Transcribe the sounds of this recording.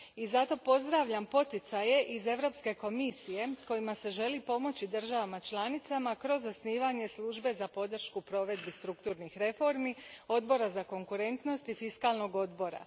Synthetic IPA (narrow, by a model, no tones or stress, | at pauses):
izat̪o̞po̞zd̪ɾaʋʎampo̞t̪it̪saje̞ʔize̞ʋɾo̞pske̞ko̞misije̞ko̞jimase̞ʒe̞lipo̞mo̞t͡ɕid̪ɨr̩ʒaʋamat͡ʃlˠanit̪samakɾo̞zosniːʋaɲe̞slˠuːʒbe̞zapo̞d̪r̩ʃkupɾo̞ʋe̞d̪bist̪ɾukt̪uːɾnixɾe̞fo̞ɾmio̞d̪̚bo̞ɾazako̞ŋkuɾe̞nt̪no̞st̪ifiskalˠno̞ɡo̞d̪bo̞ɾa̰